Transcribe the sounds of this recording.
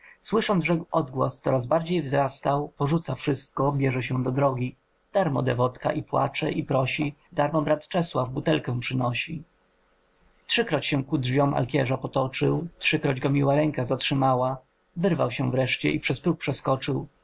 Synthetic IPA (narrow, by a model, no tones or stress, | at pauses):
swɘʂɔnʐɛɔd̪ɡwɔ̰st̪sɔɾazbaɾd͡ʑejvzɾast̪awpɔʐut̪safʂɘst̪kɔbʲjɛʐɛɕɛ̃d̪ɔd̪ɾɔɡʲi | d̪̥aɾmɔ̰d̪ɛvɔt̪ka̰ʔipwa̰t͡ʂɛʔipɾɔɕid̪aɾmɔbɾat̪t͡ʂɛswavbut̪ɛlkɛw̃pʂɘnɔɕi | tʂɘkɾɔt͡ɕɕɛ̃kudʐvʲjɔmʔa̰lkʲjɛʐapɔt̪ɔt͡ʂɘwtʂɘkɾɔd͡ʑɡɔmʲiwaɾɛŋkazatʂɘmawa | vɘɾvawɕɛvɾɛʂt͡ɕɛ̰ʔipʂɛspɾuk̚pʂɛskɔt͡ʂɘw